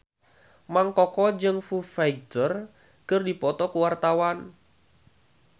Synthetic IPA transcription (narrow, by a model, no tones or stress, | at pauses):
maŋkɔkɔd͡ʒɨŋfufajɡ̚t̪ər | kərdipɔt̪ɔkuwart̪awan